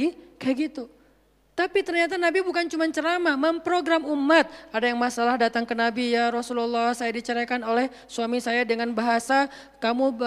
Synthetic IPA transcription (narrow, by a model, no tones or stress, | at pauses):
ikəɡit̪u | t̪apit̪ərɲat̪̬anabibukant͡ʃumant͡ʃəɾamaməmpɾoɡɾamumːat̪̚adajaŋmasalahdat̪aŋkənabijaɾɔsululːasajadit͡ʃəɾakanolɛh | suamisajadəŋanbaɦasa | kamu